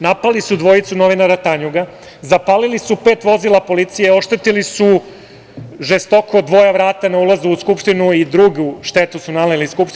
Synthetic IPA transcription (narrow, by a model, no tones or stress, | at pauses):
napalisud̪ʋo̞jit̪suno̞ʋinaɾat̪aɲuɡa | zapalilisupe̞ːt̪ʋo̞zilˠapo̞lit̪sijeo̞ʃt̪et̪ilisu | ʒest̪o̞ko̞d̪ʋo̞jaʋɾaːt̪anaulˠazuːskupʂt̪inuid̪ɾuɡuʃt̪e̞t̪usunaleliskupʃt̪